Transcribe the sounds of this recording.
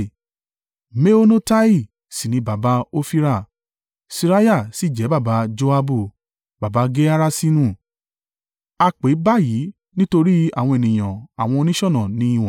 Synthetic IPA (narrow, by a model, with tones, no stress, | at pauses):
me˦o˦no˦ta˦i˦˨ | si˨nĩ˧ba˨ba˨˦o˦fi˦ɾa˦˨ | si˧ɾa˦ja˦˨si˨˦˨d͡ʒɛ˨˦ba˦˨ba˨˦d͡ʒo˧˦a˧bu˦˨ | ba˨ba˨˧˦ɡe˦a˦ɾa˦si˦nũ˦˨ | a˧k͡pe˨˦ba˦˨ji˨˦ | nĩ˦to˧ɾi˦a̰˦˨w̃ɔ̃˧e˨nĩ˨j̃ã˨a˨w̃ɔ̃˧o˧nĩ˦ʃɔ̃˦˨nɔ̃˨nĩ˨˦ĩ˦˧w̃ã˨